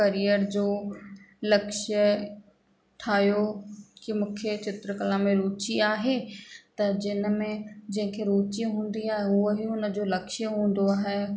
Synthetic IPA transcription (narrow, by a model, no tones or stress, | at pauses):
kɐɾijəɾd͡ʑoː | lɐkʃə | ʈʰaːjokimʊ̃ːkʰjet͡ɕɪt̪ɾəkəlãmẽɾuːt͡ɕiaːɦet̪ɐd͡ʑɪnmẽd͡ʑɐ̃ɦɪ̃kʰeɾuːt͡ɕiɦũːn̆d̪iaːɦeʊoɦiʊnəd͡ʑolɐkʃjəɦũːn̆d̪oaːɦe